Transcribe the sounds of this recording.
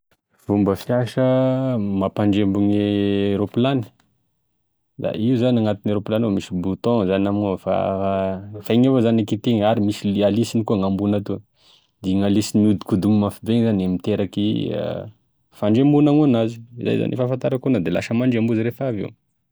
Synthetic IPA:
v̥umbəfjiaʃəmapaɳɖ͡ʐembuŋeɾopilanə̥ | d̪a̰ʔizaniaŋat̪ineɾoplanomisibut̪ɔ̃zanamofa̰ | faŋevazanakit̪eŋaɾimisialisinikuəŋambunat̪u | d̪̥iŋalisiniud̪ikud̪uŋmafibeŋzanemit̪eɾakiə̰ | faɳɖ͡ʐembunaŋunazi̥iza̰jza̰nifafant̪aɾakunad̪ela̰ʃəmaɳɖ͡ʐambuzəɾefavḛw

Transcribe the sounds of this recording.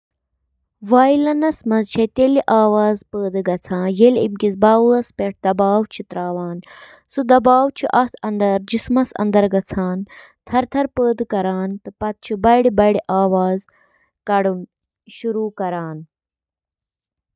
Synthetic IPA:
ʋaːjilɐnɐsmɐzt͡ʃʰɐt̪eliʔaːʋaːzpəːd̪ɨɡɐt͡sʰãːjelḭb̚ɡit͡sbaːwuɐspeʈ̚ʰd̪ɐbaːwt͡ʃʰit̪ɾaːʋaːn | sud̪ɐbaːwt͡ʃʰiʔɐt̪ʰɐnd̪ɐɾd͡ʒismɐsɐ̰nd̪ɐɾɡɐt͡sʰaːn | t̪ʰɐɾt̪ʰɐɾpəːd̪kɐɾaːnt̪ɨpɐt̪̚t͡ʃʰibɐɽibɐɽiʔaːʋaːz | kɐɽun | ʃuɾuːkɐɾaːn

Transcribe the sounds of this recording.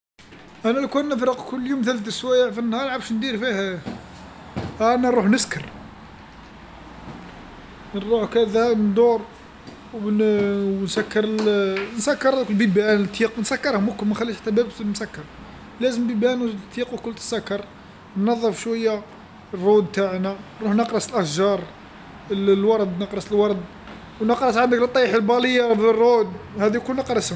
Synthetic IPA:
ʔænælkunːəfɾəqkʊlːjumt̪ælt̪əswæjaʕfinːhɑɾˤʕabʃnd̪iɾfih | ʔænæɾˤuħnəskəɾ | nɾˤuħkæd̪ænd̪uɾˤ | w | wnsækːɑɾˤnsækːɑɾˤæd̪kəlbibænt̪ʰˤːiqwnsækːɑɾˤhʊmʊkmæxælːiʃħḁt̪ːæbæbmsækːɑɾˤ | læzəmbibænt̪ʰːiqwkʊlt̪ə̥sːækːɑɾˤ | nnɑðˤːəfʃwæjːa | rˤːud̪t̪aʕnæɾˤuhnɑqɾˤɑsəlʔæhʒɑɾˤ | llwɑɾˤd̪nəqɾˤɑsəlwɑɾˤd̪ | wnəqɾˤɑsʕand̪əklt̪ˤːɑħəlbɑləjːabərˤːud̪hæd̪ijkunəqɾˤɑsəm

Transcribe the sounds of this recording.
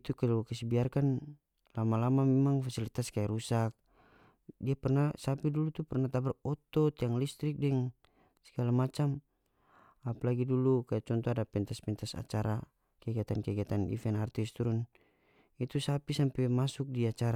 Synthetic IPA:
t̪ukalukasibiarkan | lamalamamɛmaŋfasilit̪askajaɾusak̚ | diapɛrnasapidulut̪upɛrnat̪abɛrɔt̪ɔt̪jaŋlist̪ɾik̚dɛŋ | sɛ̥ɡalamat͡ʃam | apalaɡidulukajat͡ʃɔnt̪ɔadapɛnt̪aspɛnt̪asa̰t͡ʃaɾa | kɛɡiat̪ankɛɡiat̪anḭfɛnart̪ist̪uɾun | it̪usapisampɛmasuk̚diat͡ʃaɾa

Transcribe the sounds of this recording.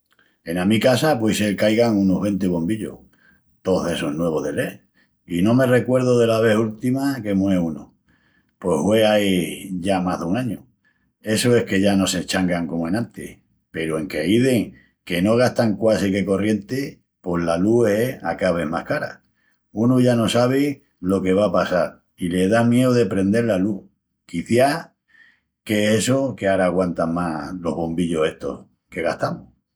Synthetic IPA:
e̞namikasapwesekajɣaŋunoɦβe̞nt̪eβo̞mbiʎo̰h | t̪o̞e̞sonwe̞β̞oðe̞le | inõ̞me̞re̞kwe̞ɾð̞oðe̞laβe̞hult̪imake̞mweuno | pwehweajʝamaɦðuŋaɲo | e̞soe̞hke̞ʝano̞se̞t͡ʃaŋɡaŋkomoe̞nãnt̪ḛ | pe̞ɾoe̞ŋkeiðe̞ŋ | ke̞no̞ɣ̞ast̪aŋkwasike̞ko̞rje̞nt̪e | po̞hlalue̞akaβe̞mahkaɾa̰ | unuʝano̞saβ̞e | lo̞ke̞βapasaɾ | ile̞ðamje̞oðepɾe̞nd̪e̞ɾlalu | kiθja | ke̞esoke̞aɾaːɣwant̪aŋmalo̞ɦβo̞mbiʎoseht̪o̞̰h | ke̞ɣaht̪amo

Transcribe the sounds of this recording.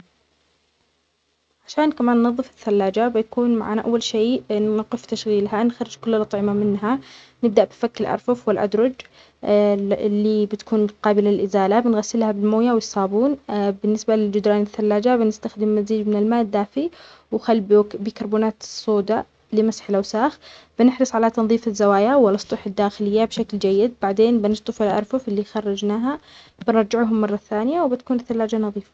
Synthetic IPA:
ʕaʃaːnkamaːnːɑðˤːɨfɪθːalːaːd͡ʒabɪjakuːnmaʕa̰ːnaʔa̰wːalʃeːnʊqɪft̪aʃɣiːlɦanxɑɾˤɪd͡ʒkʊlːalʔɑt̪ˤʕɪmamɪnɦa | nɪb̚d̪aʔbɪfakːɪlʔɑ̰ɾˤfʊfwɪlʔa̰d̪ɾˤɑd͡ʒ | lːibɪt̪kuːnqɑːbɪlalʔɪzaːlabɪnɣasːɪlhabɪlmoːjawɪjsˤɑːbuːnbɪnːɪsbalɪld͡ʒʊd̪ɾˤɑːnɪθːalːaːd͡ʒabɪnɪst̪axd̪ɪmːaziːd͡ʒmɪnɪlmaːʔd̪ːaːfi | wxalːbbiːkɑɾˤbuːnaːt̪sˤːoːd̪a | lɪmasħɪlʔawsaːxb̥ɪnɪħɾɨsˤʕalat̪ɑnðˤiːfɪzːawaːjawɪlːɑsˤt̪ˤuħɪd̪ːaːxɪlɪjːabʃakld͡ʒajːɪd̪̚baʕd̪eːnbɪnɨsˤt̪ˤɨfɪlʔɑ̰ɾˤfʊfɪlːixɑrˤːɑd͡ʒnaːɦa | bɪnɑɾˤd͡ʒɪʕɦʊmːɑrˤːɑθaːnɪjawbɪt̪kuːnɪθːalːaːd͡ʒanɑðˤiːfḁ

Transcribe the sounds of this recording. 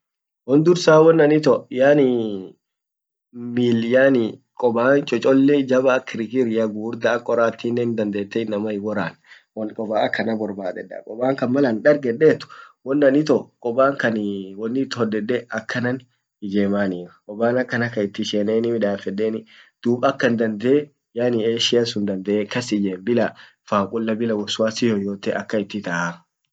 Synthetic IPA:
wɔnd̪ʊɾsaːwɔnːɐnɪt̪ɔjaːnɪ | miːljaːnɪkʼɔbaːnt͡ʃʼɔt͡ʃʼɔlːɛd͡ʒɐbaːkɪɾɪkɪɾɪjɐɡuːɾd̪ɐːkʼɔɾaːt̪ːiːnːɛnd̪ɐnd̪eːt̪ːɛɪnːɐmɐɪɡɔɾaːn | wɔnkʼɔbaːɐkʰːɐnɐbɔɾbaːd̪ɛ̰ᶑa̰ːkʼɔbaːŋkɐnmɐlɐnᶑɐɾɡɛᶑeːt̪ːʊ̥wɔnːɐnɪt̪ɔkʼɔbaːŋkɐnwɔnːɪt̪ːɔd̪ɛdːɛɐkːɐnɐn | ɪd͡ʒeːmaːniːɾɐkʼɔbaːnɐkːɐnɐkːɐɪt̪ːɪʃeːneːnɪmɪᶑaːfɛᶑːeːnɪd̪̥uːbʼɐkːɐnd̪ɐnd̪ee | jaːnɪeːʃɪjɐsʊnd̪ɐnd̪ɛʔekɐsɪd͡ʒeːmbɪla | faːkʼʊlːɐbɪlɐwɔsʊwaːsɪjɔjoːt̪ːɛʔɐkːɐɪt̪ːɪt̪ɐʔa

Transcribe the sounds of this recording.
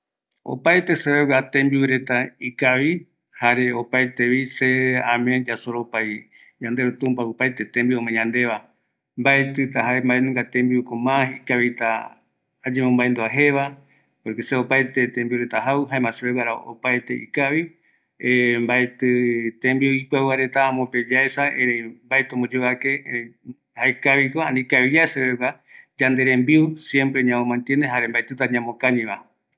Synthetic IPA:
o̰pajt̪e̞seβewat̪ẽmbiwɨɾe̞t̪aikaβi | haɾeopajt̪eβiseãmẽd͡ʒasoɾopaj | ɲãnd̪e̞ɾot̪ũmpaupajt̪e̞t̪ẽmbiomẽɲãnd̪e̞βa | mbaet̪ɨt̪aɦaembaenũŋɡat̪ẽmbiukomãikaβit̪a̰ː | d͡ʒemõmbaẽnd̪uaɦe̞βa | poɾkeseopajt̪et̪embiuɾet̪aɦauɦaemãseβewaɾao̰pajt̪e̞̰ʔḭkaβi | embajt̪ɨt̪ẽmbiuipaβaɾe̞t̪ãːmõped͡ʒaesaeɾembaet̪õmod͡ʒeβake | haekaβikoãnĩkaβijaseβewa | d͡ʒand̪e̞ɾẽmbiusjempɾeɲãõmãnt̪jend̪eɦaɾembajt̪ɨt̪̬aɲãmõkãɲĩβa

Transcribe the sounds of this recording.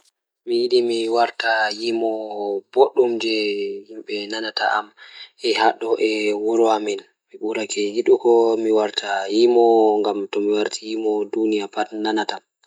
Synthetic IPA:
mijiɗimiwaɾtajimɔboɗːumd͡ʒɛhimɓɛnanata̰ʔamʔɛhaɗɔʔɛwuɾɔamɛl | miɓuɾakʰɛjiɗukɔmiwaɾtʰajimɔŋɡamtɔmiwaɾtʰijimɔdunijapatnanata

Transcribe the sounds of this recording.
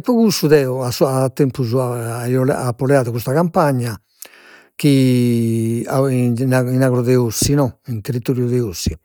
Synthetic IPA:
ɛpːɔɣusːuðɛɔasɔat̪ːɛmpuzuaaiɔlɛapːɔlɛaːðuɣust̪aɣampaɲːa | k̟i | anainaɣɾɔðɛosːinɔint̪erit̪oɾjuðɛosːi

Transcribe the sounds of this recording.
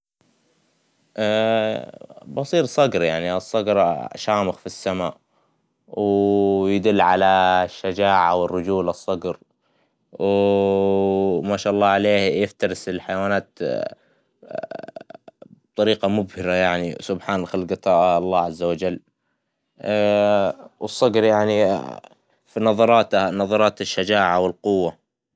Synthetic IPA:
ʔ | bɑsˤiːɾsˤɑɡɾjaʕniʔɑsˤːɑɡɾa̰ʃaːmɪxfisːamaːʔ | wjɪd̪ʊlːʕalaʃːad͡ʒaːʕaawɪrːʊd͡ʒuːlɑsˤːɑɡɾ | w | maːʃaʔɑlˤːɑːʕaleːhjɪft̪ɑɾɪsɪlħajawaːnaːt̪ | b̚t̪ˤɑɾiːqamʊbhɪɾajaʕnḭsʊbħaːnxɪlɡɨt̪ˤɑːʔɑlˤːɑːʕazːawad͡ʒalː | wɨsˤːɑɡɾjaʕni | finɑðˤɑɾˤɑːt̪anɑðˤɑɾˤɑːt̪ɪʃːad͡ʒaːʕawɪlqʊwːa

